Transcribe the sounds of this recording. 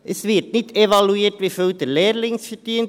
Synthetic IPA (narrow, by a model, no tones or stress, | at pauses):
ʔəsʋɪɾtnɪdʰɛʋɑluiːtʋiføld̪əlɛːɾlɪŋsfɛɾtiən